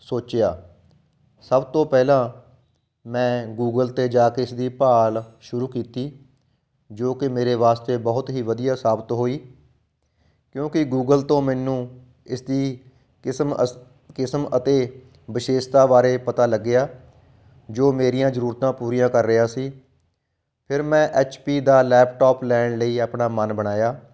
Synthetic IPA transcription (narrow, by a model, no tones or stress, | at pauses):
soːt͡ʃejaː | səbt̪õːpɛːlãː | mɛ̃ːɡuːɡəlt̪eːd͡ʒaːkɪɪsd̪iːpaːlʃʊɾuːkiːt̪iː | d͡ʒoːkɪmeːɾeːʋaːst̪eːbɔɦʊt̪ɦiːʋəd̪ɪjaːsaːbət̪ɦoːiː | kjõːkɪɡuːɡəlt̪õːmɛːnũː | ɪsd̪iː | m | kɪsmət̪eː | bɪʃeːst̪aːʋaːɾeːpət̪aːləɡːɪjaː | d͡ʒoːmeːɾijãːzəɾuːɾt̪ãːpuːɾijãːkəɾːɪaːsiː | pʰɪɾmɛ̃ːʔɛːt͡ʃpiːd̪aːlɛːpʈɔːplɛːɳləiːəpɳaːmənbəɽ̃aːjaː